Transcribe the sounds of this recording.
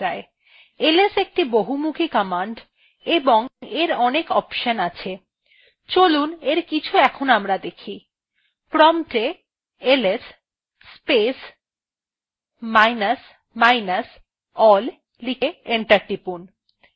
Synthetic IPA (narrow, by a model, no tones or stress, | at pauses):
ae | elesek̚ʈiboɦumukʰikamaɳɖ | eboŋeɾɔnekɔpʃənat͡ɕʰe | t͡ɕoluneɾkit͡ɕʰuɛkʰonamɾad̪ekʰi | pɾɔmʈe | elesː | pes | majnas | majnas | ɔlː | ikeeɳʈaɾʈipun